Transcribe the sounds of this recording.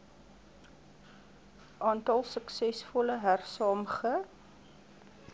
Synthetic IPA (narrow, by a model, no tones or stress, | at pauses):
ʔɑːntɑlˠsəksɛsfɔləɦærsɑːmχə